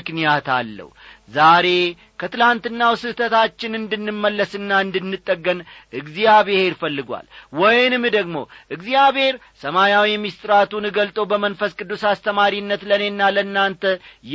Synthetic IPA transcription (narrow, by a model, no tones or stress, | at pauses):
ɨknijat̪a̰lːə̰huzaɾe̞ | kʰət̪ɨlant̪ɨnːawsɨht̪ʰət̪at͡ʃːɪnɨnd̪ɨnːɨmːəlːəsɨnːaɨnd̪ɨnːɨt̪ʼːəɡːənʔɨɡzijaβeheɾfəlːɨɡwa̰lwɔjnɨmd̪əɡmo̞̰ʔɨɡzijaβhe̞ɾ | səmajawimist̪ʼɨɾat̪unɨɡəlt̪ʼəwbəmənfəskʼɨd̪ːusast̪ʰəmaɾinːət̪ləne̞nːalənːant̪ʰəj